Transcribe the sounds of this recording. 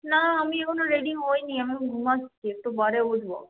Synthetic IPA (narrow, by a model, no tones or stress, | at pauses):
naamiekʰonoɾeɖiŋɦojniamiɡʱumast͡ʃʰiek̚ʈobaɾeodʱbo̰